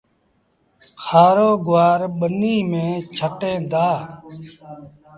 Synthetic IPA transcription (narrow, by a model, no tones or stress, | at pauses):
kʰaːɾoːɡʊʋaːɾɓəniːmẽːt͡ʃʰəʈẽːd̪aː